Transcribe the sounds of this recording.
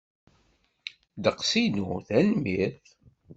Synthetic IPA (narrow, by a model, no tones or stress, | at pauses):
d̪əqsinuθænmiθ